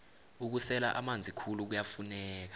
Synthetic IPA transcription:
uk̬usɛla̰ʔamand͡zʱikʰuluk̬ujafunɛːk̬ḁ

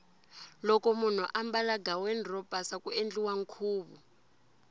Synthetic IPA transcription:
lɔkɔmun̤uʔambalaɡawɛnrɔpʼasakuend͡ɮʼiwaŋ̩kʰuːɓu

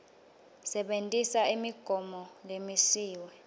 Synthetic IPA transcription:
sɛɓentʼisaimiɡ̥ʱɔmɔlemisiːwɛ

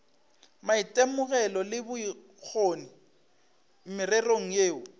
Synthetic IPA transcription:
maitʼemʊɣɛlɔlɪbʊi | k͡xʰonɪ | m̩mɪrɛroŋ̩jeːʊ

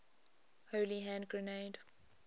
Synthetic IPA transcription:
hoːliɦæ̃ndɡɹəneɪd

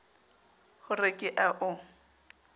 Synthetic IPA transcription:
hʊrɪkʼɪʔaʔʊ

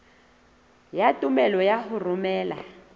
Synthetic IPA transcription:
jatʼumɛlɔjaɦʊrʊmɛːla̰

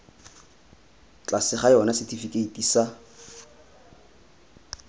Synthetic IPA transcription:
t͡ɬʼasɪχaɪɔnasɪtʰifikʼeitʼisa

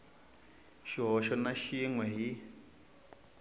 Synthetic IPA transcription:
ʃiɦɔʃɔnaʃiŋwɛɦi

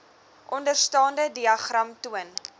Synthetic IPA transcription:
ʔɔndərstɑːndədiɐχrɐmtuən

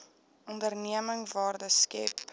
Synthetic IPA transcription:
ɔndərniəməŋvɑːrdəskɛ̰p

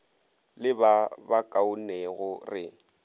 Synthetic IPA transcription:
lɪbabakʼaʊneɣʊrɪ

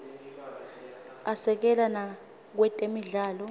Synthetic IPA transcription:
asɛk̬ɛlana | k̬wɛtʼemiɮaːlɔ

